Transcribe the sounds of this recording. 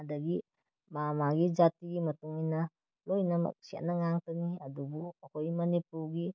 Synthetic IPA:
adɐɡi | mamaɡid͡ʒatiɡimɐtuŋina | lojnamɐ̰k̚sia̰nɐŋaŋtaniɐdubuəkojmɐnipuɾɡi

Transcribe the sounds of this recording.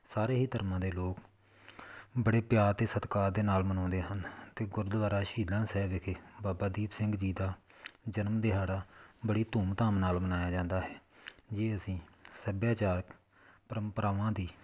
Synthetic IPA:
saːɾeːɦiːt̪əɾmãːd̪eːloːk | bəɽeːpjaːɾt̪eːsət̪kaːɾd̪eːnaːlmənɔ̃ːnd̪eːɦənt̪eːɡʊɾd̪əʋaːɾaːʃiːdãːsɛːʋɪkʰeːbaːbaːd̪iːpsɪ̃ŋɡd͡ʒiːd̪aːd͡ʒənmd̪eɦaːɽaːbəɽiːt̪uːmt̪aːmnaːlmənaːjaːd͡ʒãːnd̪aːɦɛːd͡ʒeːəsĩːsəbjaːt͡ʃaːɾk | pəɾəmpəɾaːʋãːd̪iː

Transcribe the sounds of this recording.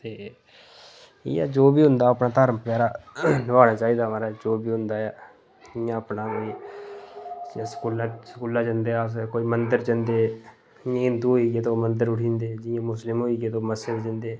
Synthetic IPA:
t̪eː | ḭa̰ːd͡ʒoːbiːɦʊ̃nd̪aːəpnaːt̪əɾmpjaːɾaːnəʋaːnaːt͡ʃaːiːd̪aːmãːɾaːd͡ʒoːbiːɦʊ̃nd̪aːjaː | d͡ʒɪjãːəpnaːkoːiː | ãsə̥kuːlasəkuːlaːd͡ʒənd̪eːas̬koːiːmənd̪əɾd͡ʒənd̪eː | jãɪnd̪uːɦoːiːɡeːt̪oːmənd̪əɾʊʈʰĩːnd̪eːd͡ʒɪjãːmʊslɪmɦoːiːɡeːt̪oːməsed̪d͡ʒənd̪eː

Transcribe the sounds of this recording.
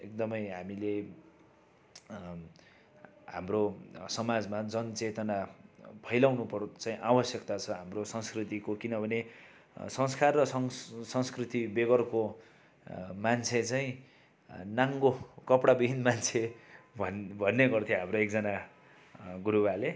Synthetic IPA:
ek̚d̪ʌmʌjɦamile | ha̰mrosʌmad͡zmad͡zʌnt͡set̪ʌnapʰʌjlawnupʌrt͡saĩʔawʌsjʌkt̪at͡sʰʌɦamrosʌ̃ŋskrit̪ikokinʌbʱʌne | sʌ̃ŋskarːʌsʌsʌ̃ŋskrit̪ibeɡʌrko | mant͡sʰet͡saĩ | naŋɡokʌpɽabibʱinmant͡sʰe | bʱʌnːeɡʌrt̪ʰjõɦamroekd͡zʌna | ɡuɾuwale

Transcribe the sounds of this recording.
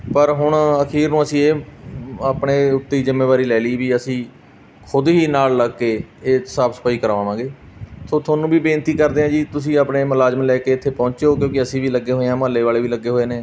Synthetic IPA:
pəɾɦʊɳ̃əkʰiːɾnũːəsĩːeː | aːpɳeːʊt̪ːeːiːzɪmːeːbaːɾiːlɛːliːʋiːəsĩː | kʰʊd̪ɦiːnaːlːəɡkeːeːsaːbsə̥pʰaːiːkəɾaːʋãːʋãːɡeː | soːt̪ʰaːnũːbiːbeːnt̪iːkəɾd̪eːɦãːd͡ʒiːt̪ʊsĩːaːpɳeːməlaːd͡ʒmːlɛːkeːɪt̪ʰːeːpɔ̃ːɲt͡ʃeoːkjõːkɪəsĩːʋiːləɡːeːɦoːeːãːmɦəlːeːʋaːleːʋiːləɡːeːɦoːeːneː

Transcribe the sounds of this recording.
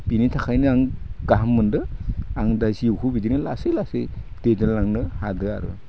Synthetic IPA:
binitʰakʰajnɯaŋɡ̥aɦmːɯndɯaŋdajsiwkʰubidinɯlasejlasejd̥ed͡ʒɯnlaŋnɯhadɯa̰ɾɯ̰

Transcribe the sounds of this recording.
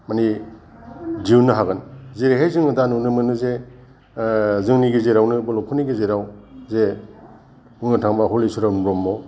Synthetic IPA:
mani | diunɯɦaɡɯnzeɾeɦajzɯŋnɯdanunɯmɯnuze | zɯŋniɡizeɾawnɯbɔlɔŋkʰuniɡezeɾawze | uŋnɯtʰaŋbaɦɔlisuɾanɾɔmːɔ

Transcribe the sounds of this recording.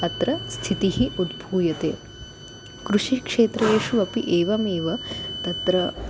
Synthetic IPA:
ɐt̪ɾɐst̪ʰit̪iɦiʔud̪bʱuːjɐt̪ḛː | kɾuʂikʂeːt̪ɾɐjeːʂuʋɐpiʔeːʋɐmeːʋɐt̪ɐt̪ɾɐ

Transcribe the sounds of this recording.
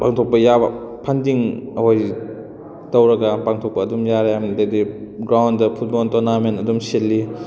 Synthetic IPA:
paŋtʰok̚pɐjabɐ̰pʰandiŋɐɦoj | tɐwɾɐɡɐpaŋtʰok̚pɐɐdumjaɾejamdediɡɾawndɐpʰut̚bɔltonamentɐdumselːi

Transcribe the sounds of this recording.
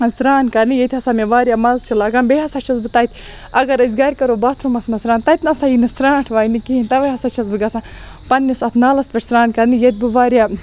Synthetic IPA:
ɐsɾaːnkɐɾnijet̪ʰʲhɐsaːmeʋaːɾʲjaːmɐzst͡ʃʰilɐɡaːmbeɦɐsɐːt͡ʃʰɐzbɨt̪ɐt̪ʲʰ | ɐɡɐɾɐzʲɡaːɾʲkɐɾoːbaːt̪ʰɾumɐsmɐsɾaːnt̪ɐt̪ʲnɐsajinɨsɾaːʈʰʋaːjnikiinʲt̪ɐʋɐɦɐsat͡ʃʰɐzbɨɡɐsãː | pɐnʲːisɐt̪ʰnaːlɐspʲɐʈʰʲsɾaːnkɐɾnijet̪̚ʲbɨʋaːɾʲja

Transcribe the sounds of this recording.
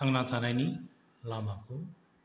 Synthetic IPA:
ʌŋnat̪ʰanajni | lamako

